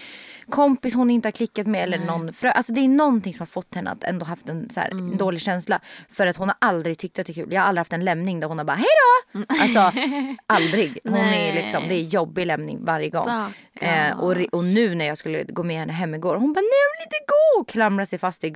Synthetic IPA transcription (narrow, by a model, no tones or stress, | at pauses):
kʰɔmpɪshʊnɪnt̪əhaɾkʰlɪkːat̪mɛɛlːəɳɔnːfɾøːʔalsɔd̪ɛːnɔnt̪ɪŋsɔmhaɾfɔt̪ːhɛnːə̰a̰t̪ʰɛ̰nd̪oːɦaft̪ɛnsæ̰ːɾnd̪oːlɪɡɕɛnsla̰fœɾat̪hʊnhaɾʔald̪ɾɪɡt̪ʰʏk̚t̪əat̪ɛːkʰʉ̟ːljɑːhaɾald̪ɾɪhaft̪ɛnlɛmnɪŋd̪æɾhʊnhaɾba̰ːɦɛjd̪ɔalsɔʔald̪ɾɪɡhʊnælɪksɔmd̪ɛːjɔbːɪlɛmnɪ̰ŋvaɾjəɡɔ̰ŋː | ɔɾɔnʉ̟ːnæɾjɑːskɵlːə̰ɡoːmɛhɛnːəɦɛmːɪɡoːɾhʊnbɑːnɛvɪlit̪ɛɡoːkʰlamɾasɛjfast̪ɪ